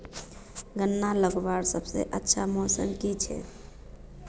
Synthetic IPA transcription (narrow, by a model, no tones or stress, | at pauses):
ɡənːaləɡbaɾsəbsḛʔətːʃʰamosə̰mkit͡ʃʰɛ̰